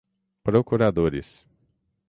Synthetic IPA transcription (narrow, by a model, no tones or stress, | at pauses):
pɾokuɾad̪oɾɪ̰s